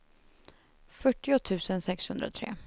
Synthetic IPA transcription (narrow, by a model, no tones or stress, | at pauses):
fœʈːɪʊt̪ʰʉ̟ːsənsɛkshɵnd̪ɾa̰t̪ʰɾḛː